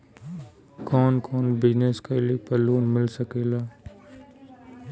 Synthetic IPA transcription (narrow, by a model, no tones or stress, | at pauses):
kɔːnkɔːnbɪd͡ʒneskalepəluːnmɪlsɐkeːlaː